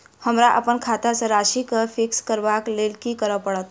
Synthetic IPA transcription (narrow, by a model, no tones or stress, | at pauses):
həmɾaʔə̰pəɳkʰat̪at͡səɾaʃikəfikskəɾʋaklelkikəɾəpəɽət̪